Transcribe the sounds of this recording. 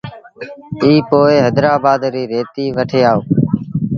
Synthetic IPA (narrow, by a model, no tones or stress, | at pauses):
iːpoːeːɦɛːd̪ɾaːbaːd̪ɾiːɾeːt̪iːʋəʈʰeːaːoː